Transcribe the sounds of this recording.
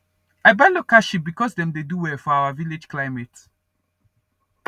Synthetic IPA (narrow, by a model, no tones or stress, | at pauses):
aɪbalokaʃibikɔsdɛ̃mdeduwɛfɔaʊaviled͡ʒklaɪmɛt